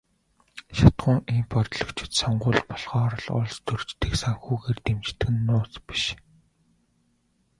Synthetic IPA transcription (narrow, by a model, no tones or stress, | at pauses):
ʃat̪ɢʊːŋimpɔrt̪ɮɞ̆kt͡ɕʰɪ̥̆t̪sɔɴɢʊːɮpɔɮʁɔːɾə̆ɮʊ̰ɮst̪ʰɵrt͡ɕt̪ɘ̆ksaŋxuːɣeːrt̪emt͡ɕʰt̪ɘ̆ɡɘ̆nːʊːt͡spi̥ʃ